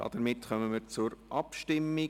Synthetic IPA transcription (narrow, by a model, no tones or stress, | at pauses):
dɑ̰d̥əɾmɪtχœməmiɾt͡sʊɾʔɑpʃtɪmːɪ